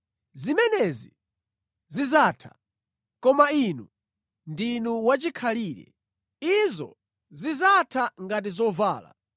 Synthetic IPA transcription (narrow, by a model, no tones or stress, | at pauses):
zimɛnɛzḭ | zizaːtʰḁ̰ | kɔmainu | ndinuwat͡ʃikʰaliːɾɛ̰ | izɔ̰ | zizatʰaŋɡat̬izɔvaːla̰